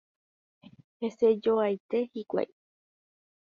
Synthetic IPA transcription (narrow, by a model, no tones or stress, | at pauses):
he̞se̞d͡ʒo̞ajt̪e̞hikʷa̰j